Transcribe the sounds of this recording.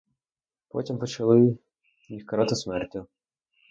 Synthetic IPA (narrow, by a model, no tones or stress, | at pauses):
pɔ̰tʲimpɔt͡ʃɐlˠɪ | mʲixkɐɾɑt̪ɪsmɛrtʲʊ